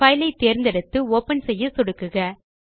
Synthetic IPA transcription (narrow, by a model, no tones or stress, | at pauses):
ɐɪlɐɪt̪ːeːɾnd̪ɐɽɯt̪ːɯoːpɐnsɛjːɯsɔɽɯkːɯɣɐ